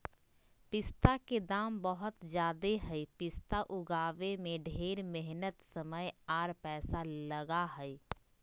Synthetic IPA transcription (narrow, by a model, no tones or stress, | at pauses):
pɪst̪aked̪aːmbəɦʊt̪d͡ʒjaːd̪eɦɛipɪst̪aʔʊɡaːʋemẽɖʱeːɾmɛɦnət̪səməjaːɾpɛːsaləɡaɦɛi